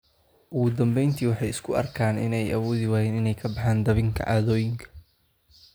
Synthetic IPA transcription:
ʔʊɣʊd̪ɐmbɛjnt̪ʰiːwɑħɑjɪskʰʊɐ̰rkʰaːnɪ̰nɛjɐwɔːðɪwaːjɛːnɪnɛjkʰɐbɑħaːnd̪ɐβɪŋkʰɐ̰ʔaːðɔːjɪŋkʰɐ̥

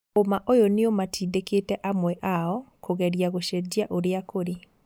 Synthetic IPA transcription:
omaʔojoneomatʰiːdeketɛʔamwɛʔaɔkoɣɛɾjaɣoʃɛd͡ʑiaʔoɾeakoɾe

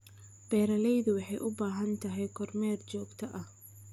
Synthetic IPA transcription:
b̥ɛːɾɐlɛjðʊwɑħɑjʔʊbaːɦɐnt̪ʰɐɦɛjkʰɔrmɛːrt͡ʃɔːɡt̪ʰɐʔɐh

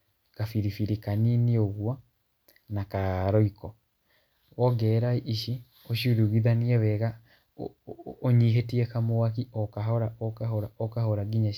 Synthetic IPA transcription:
kafiɾifiɾekaninioɣwɔ | nakaɾɔikɔ | wɔɡɛɾaiʔiʃi | oʃuɾuɣiðaniɛwɛɣa | oɲiɦetiɛkamowakiɔkaɦɔɾaʔɔkahoɾaɔkahoɾaɡiɲa

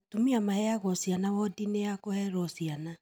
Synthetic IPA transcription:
tumiamahɛaɣɔsianawɔdineakohɛɾɔsiana

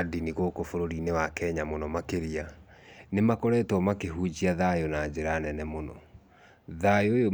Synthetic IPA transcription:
diniɣokofoɾoɾinewakɛɲamonɔmakeɾianemakɔɾɛːtwɔmakeɦud͡ʑiaðajonad͡ʑeɾanɛnɛmonɔ̰ | ðajojo

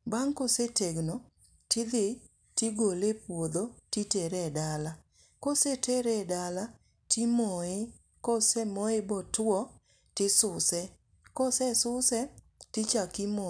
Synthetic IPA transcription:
baŋkoseteɡno | tɪd̪ɪ | tiɡolepwod̪otiteɾɛdala | koseteɾɛdala | timoe | kɔsɛmoebɔtʊɔ | tɪsʊsɛ | kɔsɛsʊsɛ | tɪt͡ʃakɪmo

